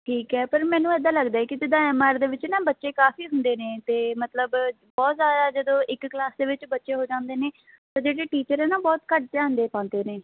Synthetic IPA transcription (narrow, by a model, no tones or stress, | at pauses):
ʈiːkɛːpəɾmɛːnũːɛːd̪ãːləɡd̪aːɛkɪt̪ɪd̪ãːɛːmaːɾd̪eːʋɪt͡ʃnãːbətːʃeːkaːfiːɦʊnd̪eːneːt̪eːmət̪ləb | bɔːt̪zjaːd̪aːd͡ʒəd̪õːʔɪkklaːsd̪eːʋɪt͡ʃbətːʃeːɦoːd͡ʒãːnd̪eːneː | t̪aːd͡ʒeːɽeːʈiːt͡ʃəɾɛːnaːbɔːt̪kəʈ̚teaːnd̪eːpãːnd̪eːnẽː